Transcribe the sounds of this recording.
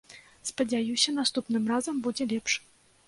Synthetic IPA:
spɐd͡zʲajusʲɐnast̪upnɨmrazɐmbud͡zʲɛlʲɛpʂ

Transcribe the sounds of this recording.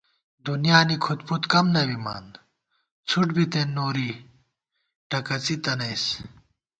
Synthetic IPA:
d̪unjaːnikʰut̪put̪kɐmnɐbima̰ːn | t͡sʰuʈbit̪enːoːɾi | ʈɐkɐt͡sit̪ɐnɐjs

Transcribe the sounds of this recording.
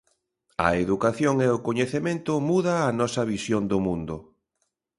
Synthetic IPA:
ɐ̰eðukaθjoŋɛʊkoɲeθemẽnt̪ʊmuðaːnɔsɐβisjond̪ʊmũnd̪ʊ

